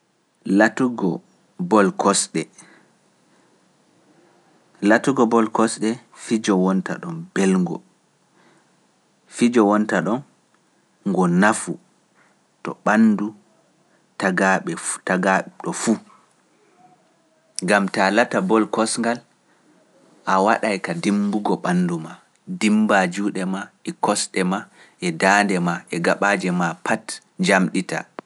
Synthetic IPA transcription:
latuɡɔ | bɔlkɔsɗɛ | latuɡɔbɔlkɔsɗɛ | fid͡ʒɔwɔnta̰ɗɔmbɛlŋɡɔ̰ | fid͡ʒɔwɔntaɗɔn | ŋɡɔnafu | tɔ̰ɓanːdu | taɡaɓɛtaɡaɗɔfu | ŋɡamtalatabɔlkɔsŋɡal | ʔawaɗajkadimbuɡɔɓanduma | dimbad͡ʒuːɗɛmaɛkɔsɗɛma | ʔɛdaːndɛmaʔɛɡaɓad͡ʒɛmapʰat | ɲd͡ʒamɗita̰

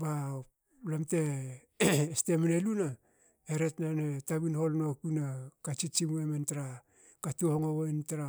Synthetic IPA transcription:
ba | lamte̞ | estemineluna | eɾe̞tnanetaβinho̞lno̞kunakat͡ʃit͡ʃimuementaɾa | katuhoŋoentaɾa

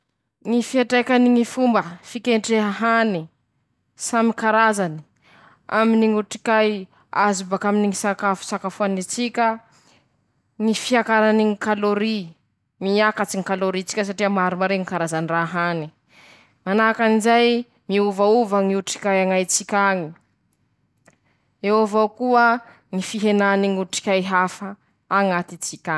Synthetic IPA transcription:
ŋifiaʈ͡ʂakaniŋifumbəfikʲeɳʈ͡ʂeɦaɦani | samikaɾazani̥ | a̰miniŋuʈ͡ʂi̥kaj | azubakaminiŋisakafu̥sakafuanit͡sikʲə | ŋifiakaɾaniŋikaloɾi | miakat͡siŋikaloɾit͡si̥kʲəs̬aʈ͡ʂiəmaɾumaɾeŋikaɾazaniraɦani | manakanizaj | miuvauvaŋiuʈ͡ʂi̥kʲajaŋajt͡sikʲaŋi | ewovawkuə | ŋifiɦenaniŋuʈ͡ʂi̥kʲajɦafə | aŋat̪it͡sikʲa

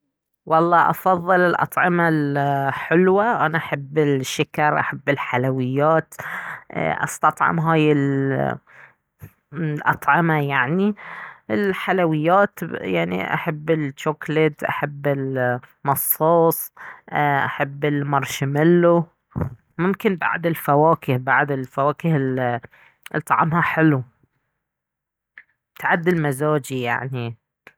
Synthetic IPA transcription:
wɑlˤːɑːʔɑfɑðˤːɨlɪlʔɑ̰t̪ˤʕɪmalħɪlwaʔanaʔaħabːɪlʃːakɑɾˤʔaħabːɪlħalawɪjːaːt̪ | ʔɑ̰st̪ɑt̪ˤʕɑ̰mɦaːjɪl | lʔɑ̰t̪ˤʕɪmajaʕniɪlħalawɪjːaːt̪jaʕnḭʔa̰ħabːɪlt͡ʃːoːklɪt̪ʔa̰ħabːɪlmɑsˤːoɑːsˤ | ʔaħabːɪlmɑɾˤʃɪmɪlːu | mʊmkɪnba̰ʕd̪ɪlfawaːkɪhbaʕd̪ɪlfawaːkɪhɪl | ʔlt̪ˤːɑʕɑ̰mhaħɪlu | t̪aʕad̪ːɪlmazaːd͡ʒija̰ʕni

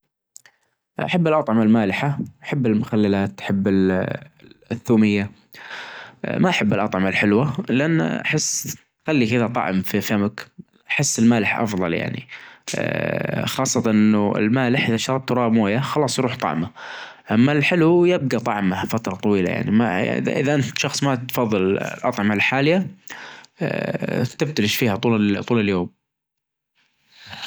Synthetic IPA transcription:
ʔa̰ħabːɪlʔɑt̪ˤʕɑmalmaːlɪħaʔaħabːɪlmʊxalːalaːt̪ħabːɪl | θːuːmɪjːa | maʔaħabːɪlʔɑt̪ˤʕɑmalħɪlwalɪʔanːa̰ħɪsː | xalːikɪðat̪ˤɑ̰ʕmfifamak | ʔaħɪsːɪlmaːlɪħʔɑ̰fðˤɑ̰lja̰ʕnḭ | xɑːsˤːɑt̪anʔɪnːuɪ̰lmaːlɪħʔɪðaʃt̪ɑɾˤɑb̚t̪ɾˤɑːʔmoːjaxɑlɑːsˤjɾuːħt̪ˤɑ̰ʕma | ʔamːalħɪlujɪb̚ɡat̪ˤɑʕmafat̪ɾˤɑt̪ˤɑwiːla̰ja̰ʕnima̰ɪ̰ða̰ʔɪ̰ðaʔant̪ʃɑxsˤmat̪fɑðˤːɨllʔɑt̪ˤʕɑmalħaːlɪja | kt̪ɪb̚t̪lɪʃfiːhat̪ˤuːlt̪ˤuːlɪljoːm

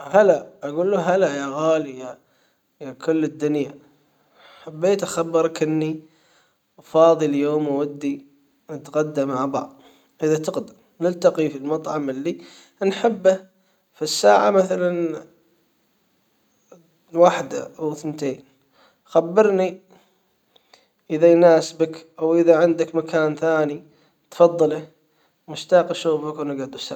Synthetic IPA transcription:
halaʔaɡuːlːuɦalajaɣaːlija | jakʊlːɪd̪ːʊnja | ħabːeːt̪ʔaxabːɨɾˤkɪnːi | fɑːðˤɨljoːmawad̪ːi | nat̪ɣad̪ːamaʕbɑ̰ʕðˤ | ʔəðat̪ɪqd̪ɪm | nɪlt̪aqifilmɑt̪ˤʕɑmɪlːi | nħɪbːa | fisːaːʕamaθalan | waːħd̪a̰ʔawθnt̪eːn | xabːɪɾni | ʔɪðajnaːsbakʔawʔɪðaʕɪnd̪akmakaːnθaːni | t̪fɑðˤːɑla | mʊʃt̪aːqʃuːfakwnɪɡaʕd̪usa̰

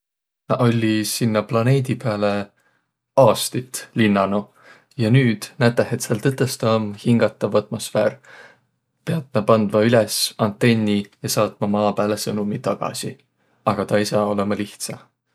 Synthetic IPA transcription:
nɑʔo̞lʲːisinːɑplɑne̞ːd̪̥ʲipeɑle̞ | ɑːst̪it̪linːɑno | jɑnyːd̪̥næt̪ːˑæhet̪selt̪ɤt̪ːˑest̪oːmhiŋɡ̥ɑt̪ːˑɑvɑt̪mo̞sfḛːr | peɑt̪̚nɑpɑnd̪̥mɑylesɑnt̪ːˑe̞nʲːijɑsɑːt̪mɑmɑːpæːlesɤnumit̪ɑɡ̥ɑ̰si | ɑɡ̥ɑt̪ɑisɑːo̞le̞mɑliht̪sɑ

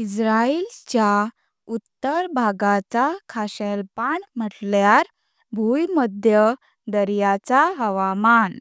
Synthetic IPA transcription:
isɾailt͡ɕja | ut̪ːəɾbʱaɡat͡sakʰaɕelpaɳm̤əʈljaɾ | bʱujməd̪ʱjə | d̪əɾjat͡saɦəʋaman

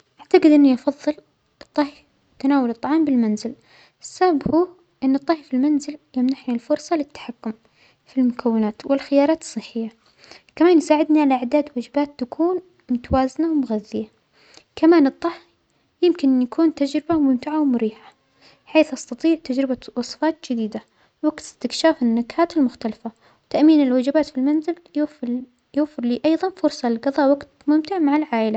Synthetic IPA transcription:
ʔʔaʕt̪aqɨd̪ʔɪnːiʔɑfɑðˤːɨl | t̪ˤːɑh | t̪anaːwalɨt̪ˤːɑʕɑːmbɪlmanzɪl | ɪsːababhuː | ʔɪnːɨt̪ˤːɑhjfilmanzɪljamnaħnilfʊɾsˤɑlɪt̪ːḁħakːʊm | filmʊkʰawːɪnaːt̪wɪlxɪjɑːɾˤɑːt̪ɨ̥sˤːɨħːɪjːa | kamaːnjsaːʕɪd̪niʕalaʔʕd̪aːd̪waːd͡ʒɪbaːt̪ːakʰuːn | mʊt̪awaːzɪnawmʊɣaðːɪja | kamaːnɨt̪ˤːɑħ | jɪmkɪnjakʰuːnt̪ad͡ʒɾɪbamʊmt̪ɪʕawmʊɾiːħḁ | ħeːθʔɑst̪ɑt̪ˤiːʕt̪ad͡ʒɾɪbawɑsˤfɑːt̪d͡ʒɪd̪iːd̪a | waɡt̪ɪst̪ɪkʃaːfɪnːakhaːt̪ɪlmʊxt̪alfa | wt̪aʔmiːnɪlwad͡ʒɪbaːt̪filmanzɪl | jʊwfːɪɾliːʔɑjðˤɑnfʊɾsˤɑlɪlɡɑðˤɑːʔwaɡt̪mʊmt̪ɪʕmaʕɪlʕaːʔɪla

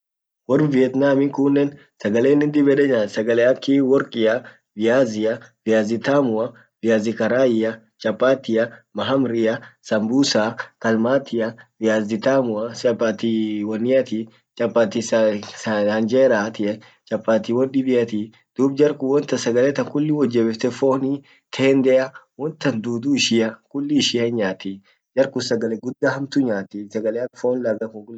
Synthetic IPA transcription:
wɔrvɪɛt̪naːmɪŋkʊnːɛn | sɐɡɐleːnɪnd̪ɪbɛᶑɛd͡ʒaːsɐɡɐlɛɐkːiwɔɾkʼɪjɐ | vɪjaːzɪɐvɪjaːzɪt̪aːmʊɐ | vɪjaːzɪkɐɾaːjɪjɐ | t͡ʃʼɐpʼːaːt̪ːɪjɐmɐɦɐmɾɪjɐsɐmbuːsaːkɐlmaːt̪ʰɪjɐvɪjaːzɪt̪aːmʊɐsɐpːaːt̪iwɔnːɪjɐt̪i | t͡ʃʼɐpːaːt̪is | ɐnd͡ʒeːɾaːt̪ɪʔɛ | t͡ʃʼɐpːaːt̪iwɔnɗɪbɪjɐt̪i | d̪̥uːbd͡ʒɐɾkʊwɔnt̪ɐsɐɡɐlɛt̪ɐŋkʊlːɪwɔd͡ʒːɛbɛft̪ɛfoːni | t̪ʰeːnd̪ɛɐwɔnt̪ɐnd̪uːd̪uːɪʃɪjɐkʊlːɪʃɪɐɪɲaːt̪ːɪ | d͡ʒɐɾkʊsɐɡɐlɛɡʊd̪ːɐhɐmt̪uɲaːt̪ɪsɐɡɐlɛɐfoːnlɐɡɐkʊŋɡʊ

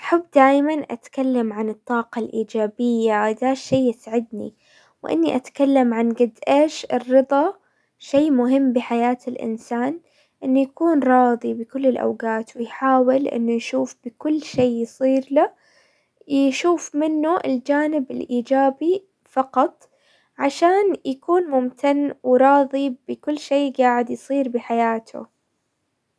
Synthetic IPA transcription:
ʔaħabːd̪aːjmanʔa̰t̪kalːamʕanɨt̪ˤːɑːqɑlʔiːd͡ʒaːbɪjːad̪aːʃːeːɪsʕɪd̪nḭ | wʔɪ̰nːiʔat̪kalːamʕanɡɪd̪ʔaʃɪrːɨd̪ˤɑ | ʃeːmʊɦɪmːbɪħajaːt̪ɪlʔɪ̰nsaːn | ʔɪnːujakuːnɾˤɑːðˤibɪkʊlːɪlʔa̰wɡaːt̪wɪjħaːwɪlʔɪ̰nːujʃuːfb̥ɪkʊlːʃeːjsˤiːɾla | jʃuːfmɪnːuʔɪ̰ld͡ʒaːnɪbɪlʔiːd͡ʒaːbi | fɑqɑt̪ˤ | ʕaʃaːnjakuːnmʊmt̪ʰanːwɾˤɑːðˤibɪkʊlːʃeːɡaːʕɪd̪jsˤiːɾbɪħajaːt̪ʰʊ̰

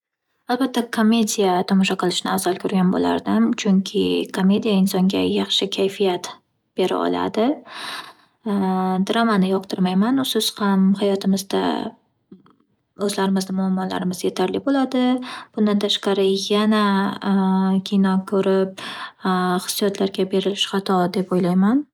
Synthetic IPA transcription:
alˠbat̪ʰːakʰome̞d̪ijat̪ʰɒmɒʃaqʰɨlˠɪʃɪnɪ̰azɒlˠkʲʰɵɾɡʲanbo̰la̰ɾd̪ɪmt͡ʃʰʊŋkʲʰɪ̰kʰome̞d̪ijaɪnsɒŋɡʲajɑχʃɪkʲʰajfijat̪ | b̥e̞ɾa̰ɒ̰la̰d̪ɪ | d̪ɾamanɪjɒq̚t̪ʰɨɾmajmanʊsʊshamhajɒt̪ʰɪmɪzd̪a̰ | ɵzlaɾɪmɪznɪmʊamːɒla̰ɾɪmɪzje̞t̪ʰaɾlɪbolad̪ɪb̥ʊnd̪ant̪ʰaʃqɑɾɪjana | kʲʰinɒkʰɵɾɪp̚ | χɨ̥sːijɒt̪ʰlaɾɡʲabe̞ɾɪlɪʃχat̪ʰɒd̪e̞pojlajman

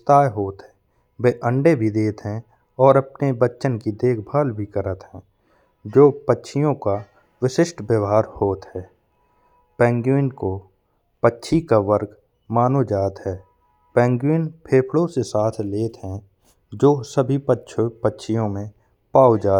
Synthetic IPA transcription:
t̪aːjɦoːt̪ɦɛ̃ː | beːʔə̃ɳɖebʱid̪eːt̪ɦɛ̃ | ɔːɾəpnebətːʃənkid̪eːkʰbʱaːlbʱikəɾət̪ɦɛ̃ː | d͡ʒoːpətːʃʰijõka | wɪʃɪʃʈbəʋɦaːɾhoːt̪ɦɛː | pɛ̃ːŋɡjuɪnko | pətːʃʰikaʋəɾɡ | maːnod͡ʒaːt̪ɦɛː | pɛ̃ːŋɡjuɪnpʰeːpʰɽõsesaːt̪ʰleːt̪ɦɛ̃ | d͡ʒoːsəbʱipətːʃʰpətːʃʰijõmẽ | paːwd͡ʒaː

